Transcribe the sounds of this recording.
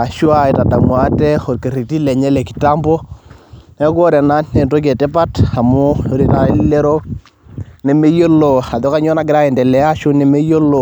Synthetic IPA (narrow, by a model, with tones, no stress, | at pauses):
a˨ʃu˦a˦˨i˨ta˨da˨mwa˦te˦xo˨ɾke˨ɾi˨ti˦le˨ɲɛ˦le˨ki̥˨ta˦mbɔ˦ | ne˦ko˦ɾe˨na˦nne˨nto˦ɡ̬e˨te˦pa˦ta˨mo˦jo˦ɾi˨ta˨˦le˦ɾo˦ | ne˨me˦jo˦lo˨a˨do˦ka˦ɲo˦na˨˦ɡi˨ɾa˦ɛ˨dɛ˨lɛ˨a˦ʃu˦ne˨me˦jo˦lo˨